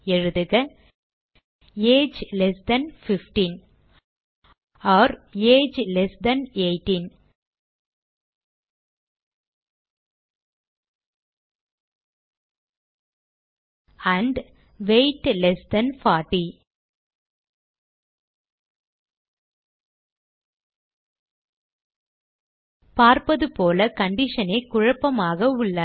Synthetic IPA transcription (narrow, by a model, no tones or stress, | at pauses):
ɛɻɯðɯɣɐ | eːd͡ʒlɛsd̪ɐnfɪfʈin | ɔːɾeːd͡ʒlɛsd̪ɐneɪʈːin | ɐɳɖ | ʋeɪʈlɛsd̪ɐnfaːʈːi | paːɾpɐðɯpoːlɐkɐɳɖɪʂɐnɐɪkʊɻɐpːɐmaːɣɐʊɭːɐ